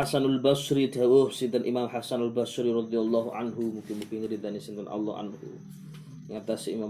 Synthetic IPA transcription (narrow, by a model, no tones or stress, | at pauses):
asanalbasɾidawohsint̪anʔimamħasanalbasɾiɾɑd̪ijalːɑɦuʕa̰nɦumuŋkɪnmukɪŋɾid̪anisint̪anʔa̰lːɔhʔa̰nhṵ | əŋat̪asiimam